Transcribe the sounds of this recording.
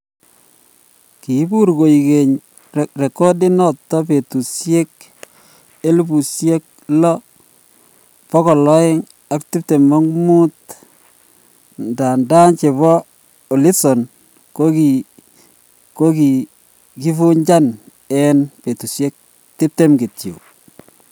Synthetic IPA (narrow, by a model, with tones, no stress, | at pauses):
ki˨˦bu˦ɾɡo˨i˨ke˨ɲ | re˨ko˦dɪ˦nɔ˨tːɔ˦pe˨tu˨sje˦k | e˦lbu˨sje˦k̚lɔ˦ | pɔ˦kɔ˨lɔ˦ɪ˦ŋ | a˦ktɪ˦p̚te˨ma˦ŋmu˦t | nda˨nda˦nt͡ʃe˨bɔ˦ | o˨li˦sɔ˨n | ko˦ki˨ | ko˦ki˨ | ki˦fu˦ɲd͡ʒa˦n | ɛ˦npe˨tu˨sje˦k̚ | tɪ˦p̚te˦mɡe˨tjo̰˨